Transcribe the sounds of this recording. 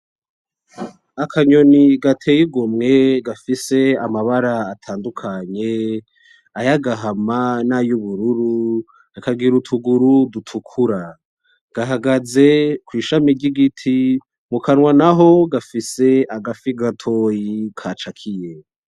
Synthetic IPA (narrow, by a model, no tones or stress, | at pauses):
akʰaɲo̞niɡatʰejiɡomŋe̞ɡafise̞amaβaɾaːtʰaːndukʰaɲe̞ | ajaɡaɦamanajuβuɾuɾu | akaɡiɾutʰuɡuɾudutʰukʰuɾa | ɡ̥aɦaɡaze̞kwiːʃamiɾɟiɡitʰi | mukʰanwanaɦo̞ɡafise̞aɡafiɡatʰo̞jikʰaːt͡ʃakʰije